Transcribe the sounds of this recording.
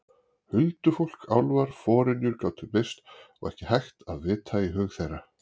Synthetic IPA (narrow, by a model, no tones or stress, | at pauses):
hʏlt̪ʏfowl̥kawlvaɾ̥fɔːɾɪnjʏɾkaːwt̪ʰʏpejst̪ɔ̰ɣɛ̰hcɪhajxt̪aðvɪːt̪ʰaːjɪɦœːɣθejrːa